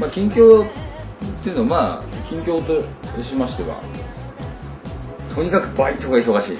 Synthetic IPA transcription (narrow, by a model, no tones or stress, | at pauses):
maːkʲĩŋkʲo̞ː | t̪ːeiɯ̟noamaːkʲĩŋkʲo̞ːt̪oɕimaɕi̥t̪e̞βa̰ | t̪ʰo̞ɲ̟ikakɯ̟bait̪ːooɡais̬o̞ɣaɕḭː